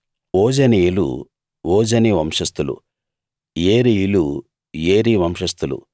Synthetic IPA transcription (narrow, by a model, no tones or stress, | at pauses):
oːd͡ʒɐnijilṵ | oːd͡ʒɐniʋɐmʂɐst̪ulṵ | jeːɾiilu | jeːɾiʋɐmʂɐst̪ulṵ